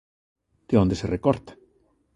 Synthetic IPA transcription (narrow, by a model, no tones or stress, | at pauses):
t̪eond̪eserekoɾt̪